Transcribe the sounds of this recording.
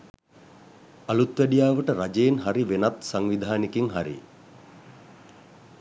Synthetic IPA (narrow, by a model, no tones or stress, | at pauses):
alut̪ʋæɖijaːʋəʈəɾad͡ʒejenɦaɾiʋenat̪saŋʋid̪ʱaːnikiŋɦaɾḭ